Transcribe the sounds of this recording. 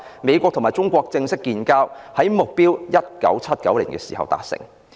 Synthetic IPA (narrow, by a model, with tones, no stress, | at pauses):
me˨˧jkʷwɔː˧k̚t̪ʰʊ˨˩maː˨jt͡ʃʊ˥ŋkʷɔː˧k̚t͡sɪ˧ŋsɪ˥kːiː˧nkaː˥whɐ˨˥jmʊ˨k̚piː˥wjɐ˥t̚kɐ̰˨˥wt͡sʰɐ˥t̚kɐ̰˨˥wliː˨˩nkɛː˧siː˨˩hɐ̰˨wt̪a̰ː˧k̚sɪ̰˨˩ŋ